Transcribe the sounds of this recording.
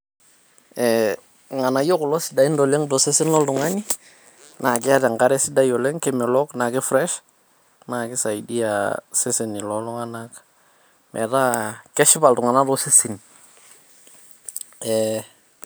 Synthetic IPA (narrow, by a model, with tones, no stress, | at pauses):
ɛ | ŋa˨na˨jo˦klɔ˦si˨˦da˨i˦ndo˨le˦ŋdo˨se˦si˦nlɔ˦ldu˨ŋa˦ni˦ | nʔa˨kɪ˦a˦tɛ˨ŋɡa˦ɾɛ˦si˦da˦jo˨lɛ˦ŋkɛ˦mɛ˨lɔ˦kna˨kɪ˦fɾɛ˦ʃ | na˨kɪ˦sa˨i˨di˦a̰se˦si˨ni˨lɔ˦lɔ˦ŋa˦nak | mʔɛ̰˨ta˦kɛ˦ʃɪ˦ba˨ltu˨ŋa˨na˦dɔ˦se˦si˨n | ɛ